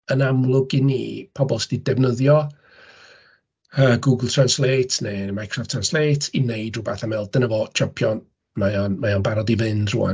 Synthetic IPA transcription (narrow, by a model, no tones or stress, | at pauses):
ənamlˠʊɡinḭːpʰɔbɔlˠsɛd̥idɛvnəðjɔ | əːɡuːɡəlˠtʰr̥anslˠeːtʰnemajkʰr̥ɔftʰransleːtʰinejdrʊbaθamɛlˠd̥ənəvoːt͡ʃʰəpʰjɔn | majɔnmajɔnbaɾɔdivɨndrṵːa̰n